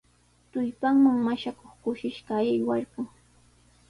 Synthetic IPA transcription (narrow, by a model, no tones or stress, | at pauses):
t̪ʊjpaŋmaŋmaʃakoχkʊʃɪʃɢɑjajwaɾɢʊŋ